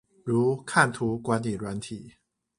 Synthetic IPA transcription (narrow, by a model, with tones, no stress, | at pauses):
ɻu˨˥kʰa˥˩nt̪ʰu˧˥kwa˧˥nli˨˩lwa˧˦˥nt̪ʰi˨˩˦